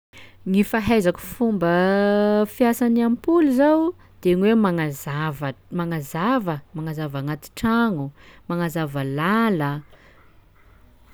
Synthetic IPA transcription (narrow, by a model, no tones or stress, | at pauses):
ŋifaɦajzaku̥fumbə | fjasanampuluzaw | d̪̥eŋwemaazavmaŋazavəmaŋazavaŋat̪i̥ʈ͡ʂaŋumaŋazavəlalə